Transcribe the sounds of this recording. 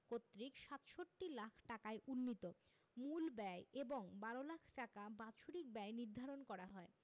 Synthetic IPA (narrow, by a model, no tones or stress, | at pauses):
kot̪ːɾikʃat̪ʃoʈːilakʰʈakaeʔunːit̪o | mulbɛeeboŋbaɾolakʰʈakabaʃʰuɾik̚bɛeniɾd̪ʱaɾonkɔɾaɦɔe